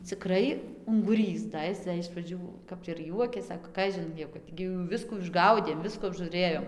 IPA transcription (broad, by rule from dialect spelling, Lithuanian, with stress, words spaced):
t͡sʲɪˈkrɐɪ ʊŋɡʊˈrʲiːs dɐ ˈɪs dɐ ɪʃ prɐˈd͡ʒʲuː kɐp ɪr ˈjuɔkʲeːs ˈsɑːkoː ˈkɑːʒʲɪn jɛʊ ˈkɐt ɡʲɪ jɛʊ ˈʋʲɪskuː ɪʒˈɡɐʊdʲeːm ˈʋʲɪskuː ɐbʒuːˈrʲeːjoːm